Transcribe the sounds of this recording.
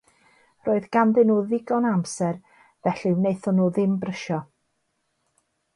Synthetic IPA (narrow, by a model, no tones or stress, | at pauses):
roːɨðɡ̥amdɛnuːðɪɡɔnamsɛr | vɛɬiwnejθɔnuːðɪmbrəʃɔ